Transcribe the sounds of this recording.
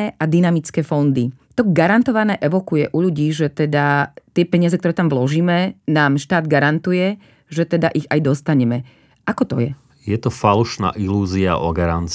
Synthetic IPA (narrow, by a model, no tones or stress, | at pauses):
ɛʔad̪inamit͡skɛːfɔnd̪i | t̪ɔɡaɾant̪ɔʋanɛːʔɛʋɔkujɛʔuʎuɟiːʒɛt̪ɛd̪at̪ɪɛpɛɲɪazɛk̚t̪ɔɾɛːt̪amʋlɔʒiːmɛnaːmʃt̪aːd̪ɡaɾant̪ujɛ | ʒɛt̪ɛd̪aʔiɣajd̪ɔst̪aɲɛmɛ | ʔakɔt̪ɔjɛ | jɛt̪ɔfaluʃna̰ːʔiluːzia̰ʔɔɡaɾant͡s